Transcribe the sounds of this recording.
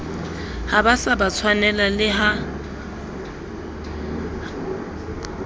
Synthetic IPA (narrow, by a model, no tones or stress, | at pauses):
habasabat͡sʰwanɛlalɪɦa